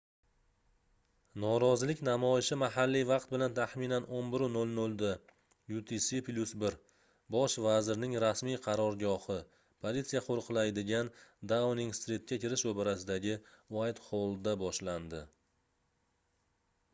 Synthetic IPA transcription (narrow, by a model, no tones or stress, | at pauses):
nɒɾɒzɪlɪkʲnamɒɪʃɪmaɦalːijvɑq̚t̪̚bɪlant̪ʰaχminanʔonbɪɾʊnolnɵlˠd̪a | jut̪ʰisiplʲusbɪɾ | bɒʃvazɪɾnɪŋɾasmijqʰɑɾɒɾɡʲɒhɪ | pʰolit̪sijaqʰoɾqʰlajd̪ɪɡʲand̪awnɪŋst̪ɾit̪̚kʲakʲʰɪɾɪʃobɪɾasɪd̪aɡʲɪwajt̪χolˠd̪abɒʃland̪ɪ